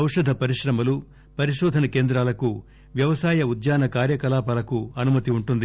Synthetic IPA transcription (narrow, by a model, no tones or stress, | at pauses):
ɐwʂɐd̪ʱɐpɐɾiʂɾɐmɐlu | pɐɾiʃɔːd̪ʱɐnɐke̞ːnd̪ɾaːlɐku | ʋjɐʋɐsaːjɐud̪jaːnɐkaːɾjɐkɐlaːpaːlɐkuɐnumɐt̪iuɳʈund̪i